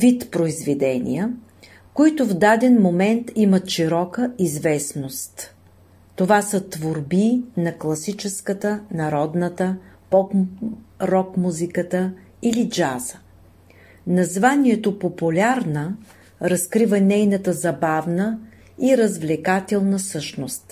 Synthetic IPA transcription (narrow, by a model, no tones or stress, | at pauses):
vit̪pɾoizvɛd̪ɛnʲḭjə | koit̪ʊvd̪ad̪ɛnmomɛnt̪imət̪ʃiɾɔkəizvɛsnost̪ː | ovasət̪voɾbinɐklˠɐsit͡ʃɛskət̪ənɐɾɔd̪nət̪əpɔk | ɾɔkmuzikət̪ə | ilid͡ʒa̰zə̥ | nɐzvaniɛt̪opopulʲaɾnə | ɾɐskɾivənɛjnət̪əzɐbavnə | iɾɐzvlɛkat̪ɛlˠnəsɤʃnost̪